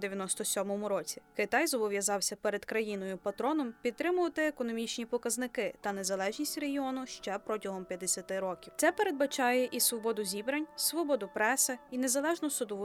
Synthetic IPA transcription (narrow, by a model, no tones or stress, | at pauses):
d̪eʋʲjɐnɔst̪ɔsʲɔmɔmʊɾɔt͡sʲi̥kɪt̪ɑjzɔbɔʋjɐzɑwsʲɐpɛɾed̪kɾɐjinɔjʊpɐt̪ɾɔnɔmpʲidt̪t̪ɾɪmʊʋɐt̪ɪekɔnɔmʲit͡ʃnʲipɔkɐznɪkɪt̪ɐne̞zɐlˠɛʒnʲisʲtʲreɦiɔnʊʃt͡ʃɛpɾɔtʲɐɦɔmpʲjɐd̪esʲɐt̪ɪɾɔkʲiwt̪sɛpeɾe̞d̪̚bɐt͡ʃɑjɛʔisʋɔbɔd̪ʊzʲibɾɐnʲssʋɔbɔd̪ʊpɾɛsɛine̞zɐlˠɛʒnɔsʊd̪ɔʋʊ